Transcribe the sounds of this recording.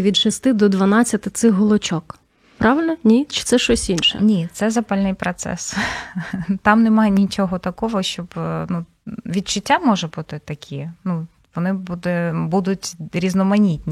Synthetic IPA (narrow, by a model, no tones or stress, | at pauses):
ʋʲid̪t͡ʃɪst̪ɪd̪ɔd̪ʋɐnɑt͡sʲːɐt̪ɪt̪sɪxɦɔlˠɔt͡ʃɔk | pɾɑʋɪlʲnɔnʲit͡ʃɪ̥t̪sɛʃt͡ʃɔsʲinʃɛ̰nʲit̪sɛzɐpɑlʲnɪjpɾɔt̪sɛ̰s | t̪ɑmnɛmɑjɛnʲit͡ʃɔɦɔt̪ɐkɔʋɔʃt͡ʃɔbnu | ʋʲid̪t͡ʃʊtʲːamɔʒɛbut̪ɪt̪ɐkʲʰinu | ʋɔnɪbud̪ɛbud̪ʊtʲɾʲiznɔmɐnʲitʲnʲi